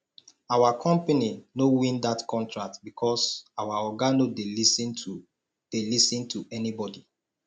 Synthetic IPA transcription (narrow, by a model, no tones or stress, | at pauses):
awakʰɔ̃mpaninowĩndatkʰɔ̃ntɹak̚tbikʰɔsawaɔɡanodelisĩn | d̥elisĩntʰuɛnibɔdi